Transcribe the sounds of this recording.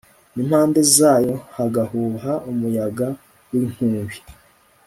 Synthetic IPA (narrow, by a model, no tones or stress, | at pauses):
nimhaːnde̞zaːjo̞haɡahuːɦaumujaɡa | wiŋhuːmβi